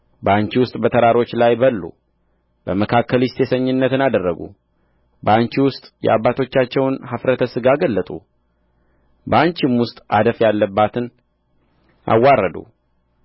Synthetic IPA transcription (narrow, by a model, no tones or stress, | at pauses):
bəaɲt͡ʃiwʊst̪ʼbət̪ʰəɾaɾo̞t͡ʃːlajbəlːṵ | bəməkʰakːəlist̪ʰesəɲːɨnːət̪ɨnad̪ərːəɡṵ | bəaɲt͡ʃiwʊst̪ʼjɛ̰ʔabːat̪ʰo̞t͡ʃːat͡ʃːɛwnhafɾət̪ʰəsɨɡaɡəlːət̪ʼṵ | bəaɲt͡ʃɪmwʊst̪ʼad̪əfjalːəbːat̪ʰɨn | ʔa̰wːarːəd̪ṵ